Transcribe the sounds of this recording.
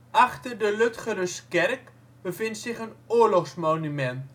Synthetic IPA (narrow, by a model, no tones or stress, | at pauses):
ʔaχtərdəløtχərəskɛrk | bəvɪntsɪχənoːrlɔχsmownymɛnt